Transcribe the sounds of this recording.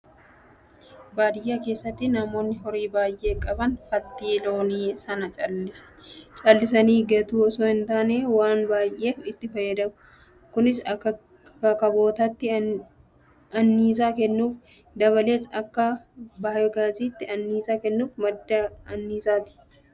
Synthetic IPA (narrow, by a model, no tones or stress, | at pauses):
baːd̪ɪjaːke̞ːsːɐt̪ːɪnɐmo̞ːnːɪɦɔɾiːbaːjʔe̞ːkʼɐbɐnfɐt̪ːiːlo̞ːniːsɐnɐt͡ʃʼɐlːɪsɐ̥t͡ʃʼɐlːɪs̬ɐniːɡɐt̪uːɔsoːhɪnt̪aːneːwaːnbaːjʔe̞ːfɪt̪ːɪfɐjːɐd̪ɐmʊ | kʊnɪs | ɐkɐbo̞ːt̪ɐt̪ːɪ | ɐnːiːs̬aːkɛnːuːf | d̪ɐβɐle̞ːsɐkːɐbaːjɔɡaːziːt̪ːɪɐnːiːsaːkɛnːuːfmɐd̪ːɐɐnːiːsaːt̪ɪ̥